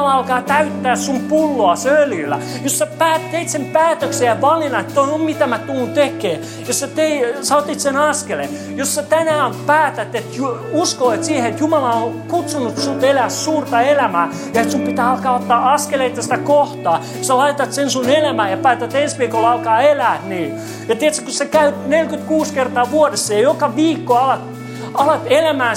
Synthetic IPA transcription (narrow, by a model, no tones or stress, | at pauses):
lɑɑlkɑːt̪æyt̪ːæːssumpulːoɑsøljylːæ̰ | josːæpæːt̪eit̪sempæːt̪øksejɑʋɑlinɑet̪tːoiommit̪æmæt̪uːnt̪ekeː | jossæt̪eisɑot̪ːit̪senɑskele | josːæt̪ænæːompæːt̪æt̪et̪juuskolet̪siːheet̪jumɑlɑonkut̪sunut̪sut̪elæːssuːrt̪ɑelæmæː | jɑet̪sumpit̪æːɑlkɑːot̪ːɑːɑskeleit̪ːɑsi̥t̪ækoht̪ɑː | sɑlɑit̪ɑt̪sensunelæmæːjɑpæːt̪æt̪ensʋiːkolɑlkɑːelæːt̪niː | jɑt̪iɛt̪sæ̥kosekæynelkyt̪kuːskert̪ɑːʋuodesːɑjɑjokɑʋiːkːoɑlɑt̪ | ɑlɑt̪elæmæː